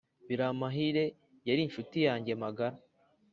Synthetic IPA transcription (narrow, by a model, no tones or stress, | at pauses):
βiɾamaɦiɾe̞ | jaɾinʃutijaːɲɟe̞maɡaɾa